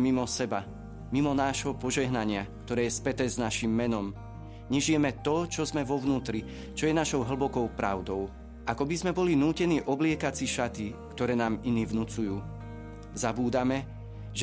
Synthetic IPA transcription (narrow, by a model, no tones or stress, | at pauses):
mimɔsɛba | mimɔnaːʒɦɔpɔʒɛɦnaɲɪakt̪ɔɾɛːjɛspɛt̪ɛːznaʃimːɛnɔm | ɲɛʒijɛmɛt̪ɔt͡ʃɔzmɛʋɔʊnuːt̪ɾi | t͡ʃɔjɛnaʃɔʊɦl̩bɔkɔʊpɾa̰ʊd̪ɔʊ | ʔakɔbizmɛbɔlinuːcɛniːʔɔblɪɛkat͡siʃat̪ikt̪ɔɾɛːnaːminiːvnut͡sujuː | zabuːd̪amɛ | ʒ